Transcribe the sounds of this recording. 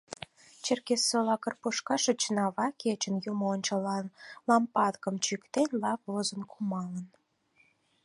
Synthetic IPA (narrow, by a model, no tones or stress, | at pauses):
t͡ɕerkesːolɑkərpuʃkɑʃĕt͡ɕənɑβɑket͡ɕənjumoonʲt͡ɕəlɑnlɑmpɑd̪kəmt͡ɕykt̪enʲlɑp̚vozənkʰumɑlən